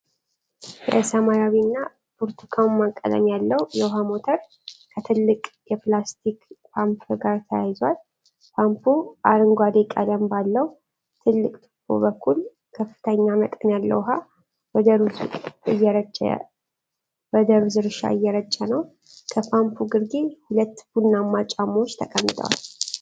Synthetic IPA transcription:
jɛ̰ʔsamaɾawinːa | bʰuɾt̪ʰukʰawmːakʼːə̰lə̰mjalːəwjɛwɦamo̞t̪ʰəɾ | kʰət̪ʰɨlːɨkʼjɛplast̪ʰikpʰampʰɨɡaɾt̪ʰəjajzwal | pʰampʰuʔaɾɨŋɡʷad̪ekʼalambalːəw | t̪ʰɨlːɨkʼt̪ʼɨ̥kʰːo̰bəkʰːul | kʰəfːɨ̥t̪ʰəɲːamək̪ʼənjalːə̰wɦa | bəd̪əɾuzɨjːɛɾət͡ʃː | bəd̪əɾuzɨɾʃa̰ɨjːɛɾət͡ʃʼːənəw | kʰəpʰampʰuɡɨɾɡehulət̪ːbunamːat͡ʃʼamot͡ʃːt̪ʰəkʼəmːt̪ʰʼə̰wa̰l

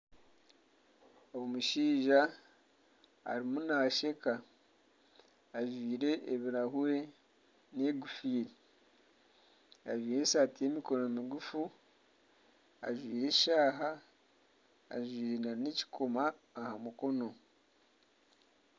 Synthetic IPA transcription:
owomuʃiːʒa | a̰ɾimunaʃe̞ka | ʒwiːɾe̞ʔːβiɾahuwe̞ | ne̞ɡufiːɾi | aʒwiːɾesaːtije̞miko̞nomiɡufu | a̰ʒwiːɾe̞ʃaːɦa | ʒwiːɾenaneci̥kʰomaːhamuko̞no̞

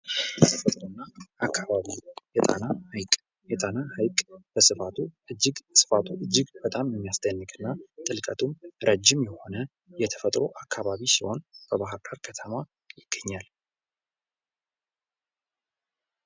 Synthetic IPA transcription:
bət̪ʰəfət̪ʼɾɨnːaʔakʰːaβaβijɛt̪ʼa̰nahjkʼ | jɛt̪ʼanahajkʼb̥əsɨfat̪ʰuɨd͡ʒːɪɡsɨ̥fat̪ʰuʔɨd͡ʒːɪɡb̥ət̪ʼamjɛmːijasd̪ənːɨkʼɨnːat̪ʼɨlkʼət̪ʰʼumɾəd͡ʒːɪmjɛho̞nə | jɛt̪ʰəfət̪ʼɾo̞̰ʔakʰːaβaβisiho̞nb̥əβaɦɨɾɡaɾkʰət̪ʰəma | jɪɡ̥ːəɲːal

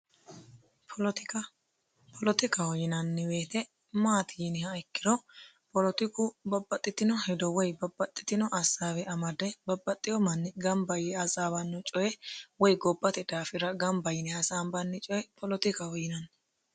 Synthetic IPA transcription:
pʰɔlt̪ɪkɐ | pʰɔlɔt̪ɪkɐhɔjɪnɐnːɪwe̞ːt̪ɛ | maːt̪ʰɪjɪnɪhɐɪkːɪd̪ɔ | pɔlɔt̪ɪkʊbɐbːɐt̪ʼːɪt̪ɪnɔhɛd̪ɔwɔjbɐbːɐt̪ʼːɪ̥t̪ɪnɔʔɐsaːwɛʔɐmɐd̪ɛbɐbːɐt̪ʼːɪjɔmɐnːɪɡɐmbɐjɛɐsʼaːbɐnːʊt͡ʃʼɔjɛwɔjɡɔbːɐt̪ɛd̪aːfɪɾɐɡɐmbɐjɪnɪɐsaːmbɐnːɪt͡ʃʼɔjɛpʰɔlɔt̪ɪkɐhɔjɪnɐnː

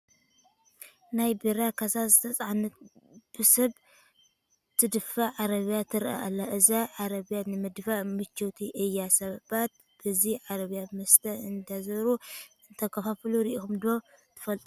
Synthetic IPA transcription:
najbiɾakʰasazɨt̪ʰɐt͡sʼaʕanɨt̪̚b̥ɨsɐβ | t̪ʰɨd̪ɨfaʕaɾɐβijat̪ʰɨɾʔa̰a̰lːaʔɨzaʕaɾɐβijanɨmɨd̪faʔmɨt͡ʃːot̪ʰiʔɨjːasɐβbat̪̚ | b̥ɨziʕaɾɐβijamɐst̪ʰɐɨnd̪azɐɾuɨnt̪ʰɐkʰɐfafluɾiʔixumd̪o̞t̪ʰɨ̥fɐlt̪ʼ

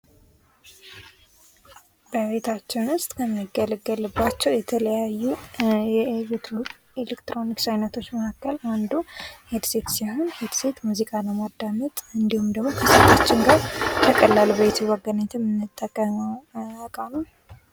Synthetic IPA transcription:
bəβe̞t̪ʰat͡ʃːɛwnɨst̪ʼkʰəmːiɡːəlɨɡːəlɨbːat͡ʃːɛwjɛt̪ʰələjajːuɛ | elekt̪ɾo̞niksajnət̪ʰo̞t͡ʃːməhakːəland̪uhed̪se̞t̪siho̞nhed̪se̞t̪muzikʼaləmad̪ːamət̪ʼɨnd̪ihumd̪əɡmo̞kʰəsət̪ʰʼːat͡ʃːɪŋɡaɾt̪ʰəkʼəlːalbəβet̪ʰuwəɡənat̪ʰɛmɨnːɨt̪ʼːəkʼːə | kʼanəw

